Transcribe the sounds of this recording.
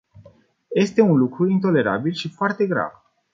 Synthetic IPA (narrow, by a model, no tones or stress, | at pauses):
je̞st̪e̞unlukɾuint̪o̞le̞ɾa̰bilʃifoart̪e̞ɡɾa̰v